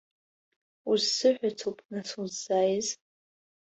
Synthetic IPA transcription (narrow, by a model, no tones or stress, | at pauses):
uzsɨħʷᶣat͡sʰopʼnasuzajz